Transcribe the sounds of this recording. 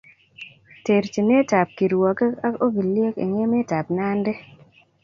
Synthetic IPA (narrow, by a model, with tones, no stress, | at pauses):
te˨ɾt͡ʃi˨me˦ta˨p̚ki˨ɾwɔ˨ka˦o˦ɡi˨lje˦kḭ˨ŋe˦mɛ˦ta˨p̚na˦nde˦